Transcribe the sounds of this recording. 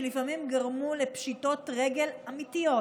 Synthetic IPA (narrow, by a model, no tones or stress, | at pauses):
lifamimɡaʁmule̞pʃito̞tʁe̞ɡe̞lamitijo̞